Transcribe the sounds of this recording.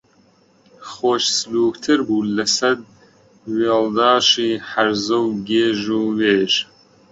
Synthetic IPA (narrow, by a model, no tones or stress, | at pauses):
χoːʃsluːkt̪ʰɨɾbuːlɐsɐd̪̚ | weːld̪ɑːʃiːħaɾzɐwɡeːʒuːweːʒ